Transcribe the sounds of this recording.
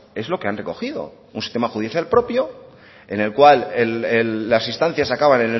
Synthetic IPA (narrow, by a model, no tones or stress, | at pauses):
e̞zlo̞ke̞anreko̞xiðo̞̰ | unsi̥st̪e̞maxuðiθjalpɾo̞pjo | e̞ne̞lkwalelelːasinst̪an̟θjasakaβanẽne